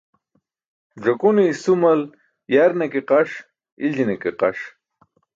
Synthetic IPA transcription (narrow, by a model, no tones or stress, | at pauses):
ʐɐkunisumɐl | jaɾnekeqaʂ | ild͡ʑinekeqaʂ